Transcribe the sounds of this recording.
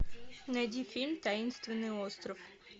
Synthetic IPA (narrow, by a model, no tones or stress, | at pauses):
nɐjdʲifʲilʲmt̪ɐinst̪vʲɪnːɨjost̪ɾɔf